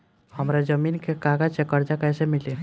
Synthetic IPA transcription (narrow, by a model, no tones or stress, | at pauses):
həmɾad͡ʒəmiːnkekaɡat͡ʃekəɾd͡ʒakɛːsemɪli